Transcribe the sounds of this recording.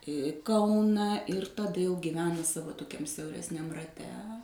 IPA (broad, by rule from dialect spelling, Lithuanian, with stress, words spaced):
ˈkɐʊnɐ ɪr tɐˈdɐ jɛʊ ɡʲɪˈʋʲæːnɐ ˈsɑːʋoː toːˈkʲɛm sʲɛʊrʲɛsʲˈnʲɛm rɐˈtʲɛ